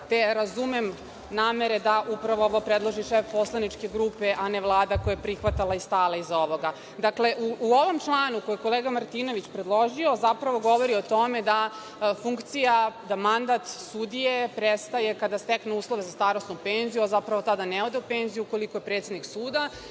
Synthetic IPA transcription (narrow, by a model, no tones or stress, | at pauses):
t̪eɾazumem | naːmeɾed̪aʔupɾaʋooʋopɾed̪lˠoʒiʃefpo̞slˠanit͡ʂke̞ɡɾupeʔaneʋlˠaːd̪akojepɾixʋat̪alˠaist̪aːlˠaizo̞ʋo̞ɡa | d̪akle̞ʔuuoʋo̞mt͡ʃlˠaːnukojeko̞leːɡamaɾt̪ino̞ʋit͡ɕpɾed̪lˠo̞ʒio̞zapɾaʋo̞ɡo̞ʋoɾiot̪o̞med̪a | fuŋkt̪sijad̪amand̪at̪sud̪ijepɾest̪ajekad̪ast̪eknouːslˠo̞ʋezast̪aːɾosnupenzijuazapɾaʋo̞t̪ad̪aneod̪e̞upeːnzijuuko̞likojepɾet̪ʲed̪niksuːd̪a